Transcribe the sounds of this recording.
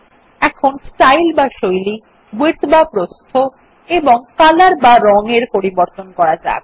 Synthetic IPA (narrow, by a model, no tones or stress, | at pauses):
ɛkʰonsʈajlbaʃojli | biɾt̪bapɾost̪ʰo | eboŋkalaɾbaɾɔŋeɾpoɾiboɾt̪onkɔɾad͡ʑa̰eb